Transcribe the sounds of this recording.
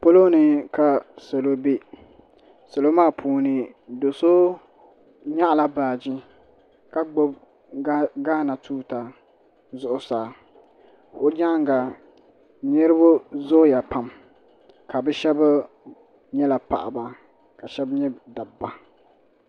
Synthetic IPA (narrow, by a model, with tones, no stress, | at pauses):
po˦lo˦nɨ˦ka˨so˨lo˦be˦ | so˨lo˦maː˦˨pʰuː˨nɨ˨ | do˨so˦ | ɲa˦ʔla˦baː˨d͡ʒɪ˦ | ka˦ɡ͡bo˦b̚ | ɡaː˦na˨tuː˦ta˨ | zʊ˦ʔʊ˦saː˨ | o˦d͡ʒa˦ŋ˦ɡa˨ | ɲɛ˦ɾɨ˦bʊ˦zoː˦ja˨pa˨m | ka˨bɛ˦ʃɛ˦ba˦ | ɲɛ˦la˨pa̰˨ʔa̰˨ba˨ | ka˨ʃɛ˦bɲɛ˦da˨ba˨